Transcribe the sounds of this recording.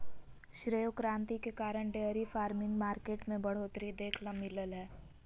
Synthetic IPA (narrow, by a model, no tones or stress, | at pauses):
ʃɾejokɾãːnt̪ikekaːɾəɳɖeəɾifaːɾmɪ̃ŋɡmaːɾkeːʈmẽbɐɽ̤oːt̪ɾid̪eːkʰlamɪləlɦɛː